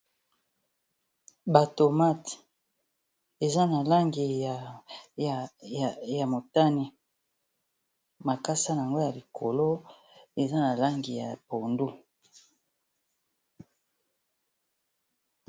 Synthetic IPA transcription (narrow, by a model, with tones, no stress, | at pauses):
ba˨to˨ma˦˨t | e˨za˦na˨la˦ŋɡi˨ | ja˨mo˨ta˦ni˦ | ma˨ka˦sa˦n˨a˨ŋɡo˦ja˨li˨kʰo˨lo˦ | e˨za˦na˨la˦ŋɡi˨ja˨po˨ndu˦